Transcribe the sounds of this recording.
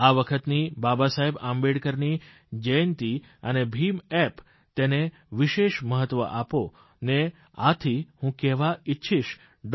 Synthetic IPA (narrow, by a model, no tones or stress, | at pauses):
aʋəkʰət̪nibabasaɦebãmbeɽkəɾni | d͡ʒent̪i | ənebʱimɛp | t̪ene | ʋɪʃeʃməɦət̪ːʋə̰ʔapo | ne | at̪ʰihũkɛɦʋaɪtːʃʰiʃ | ɖ